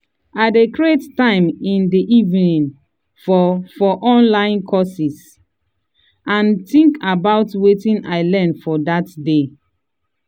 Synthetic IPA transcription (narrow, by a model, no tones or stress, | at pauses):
aɪdekɹettãɪ̃mĩndiʔivnĩn | fɔfɔʔɔ̃nlãɪ̃nkʰɔsis | ãntĩŋkabaʊtwetĩnaɪlɛnfɔdatde